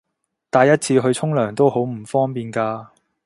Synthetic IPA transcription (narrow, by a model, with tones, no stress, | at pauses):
t̪aː˨˧jːɐ˥t̚t͡sʰiː˧ɦɵ˧ɥt͡sʰʊ˥ŋlœː˨˩ŋt̪o˥who˨˥wm̩˨˩fɔː˥ŋpiː˨˧nkaː˧